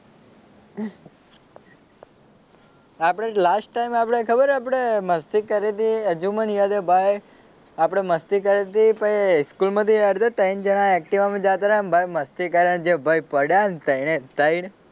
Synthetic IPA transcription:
apɽ̃elasʈːaimapɽ̃ekʰəbəɾapɽ̃eməst̪ikəɾet̪iəd͡ʒumənjad̪ebʱaj | apɽ̃eməst̪ikəɾet̪ipəjskulmãt̪iəɾt̪ət̪əjnd͡ʒəɽ̃aɛk̚ʈiʋamĩd͡ʒat̪aɾanbʱajməst̪ikaɾənd͡ʒebʱajpəɽjant̪əjnet̪əin

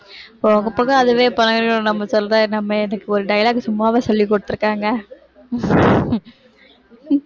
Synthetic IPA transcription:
pːoːɐŋɡɐpːɐkːɐɐðɯʋeːpɐnɐɡɐɾɡɐõnɐmːɐsɔlːɐt̪ãːɛnɐmːɐɛnɐkːɯɔɾɯɖɐjɐlaːɡsʊmːaːʋeːsɔlːikːɔɽɯt̪ːɯɾɯkːaːŋɡɐ

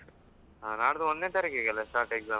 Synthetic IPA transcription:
aːnaːɽd̪uɔnd̪neːt̪ɐɾɐkeːɡɐlesʈaːʈeɡzaː

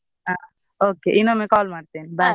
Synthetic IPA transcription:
a | okeʔinomẽkɔːlmaɽt̪enba

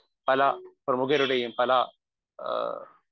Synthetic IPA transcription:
pɐlapɾɐmʊɡɐɾuɽɐjɯmpɐla

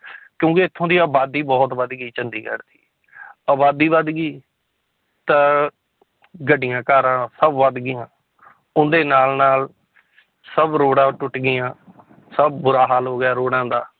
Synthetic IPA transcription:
kjõːkeɪt̪ʰːõːd̪iːaːbaːd̪iːbɔːt̪ʋəd̪ɡiːt͡ʃənd̪iːkə̰ɾd̪iː | əːbaːd̪iːʋəd̪ɡiː | t̪ãː | ɡəɖɪjãːkaːɾãːsəbʋad̪ɡɪjãː | ʊnd̪eːnaːlnaːl | səbɾoːɽãːʈʊʈɡɪjãː | səbbʊɾaːɦaːlɦoːɡjaːɾoːɽãːd̪aː

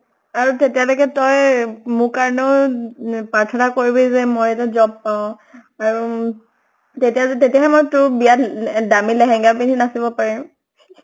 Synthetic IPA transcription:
aɹutetijalɔkɛtɔjmʊkaɹɔnɛʊ | paɹtʰɔnakoɹibɛzɛmojɛtazɔb̚paʊ̃ | aɹu | tetijatetijaɦɛmojtʊbijatdamilɛɦɛ̃ŋɡapininasibɔpaɹim

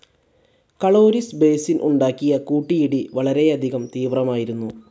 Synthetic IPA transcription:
kɐɭo̞ːɾisbe̞ːsilʔṵɳɖaːkːijɐkuːʈːijiɽiʋɐɭɐɾe̞ɐd̪ʱiɣɐmt̪iːʋrɐmaːjiɾunːu

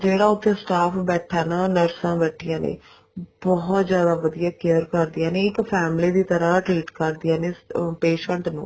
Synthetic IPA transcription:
d͡ʒeːɽaːʊt̪ʰːẽːsʈaːpʰbɛːʈʰːaːnãːnəɾsãːbɛːʈʰːɪjãːnḛː | bɔːt̪zjaːd̪aːʋəd̪ijaːkeəɾkəɾd̪ɪjãːneːɪkpʰɛːmliːd̪iːt̪əɾãːʈɾiːʈkəɾd̪ɪjãːneːpeːʃə̃ɳʈnṵ̃ː

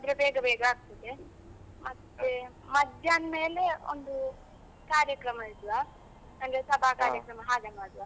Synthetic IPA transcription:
ɐd̪ɾebɛːɡɐbɛːɡaːɡ̚t̪ɐd̪e | mɐt̪ːe | mɐd̪ʱjaːnme̞ːleo̰nd̪u | kaːɾjɐkɾɐmɐid̪ʋa | ɐŋɡesɐbʱaːkaːɾjɐkɾɐmɐɦaːd͡ʒɐmaːd̪uʋa

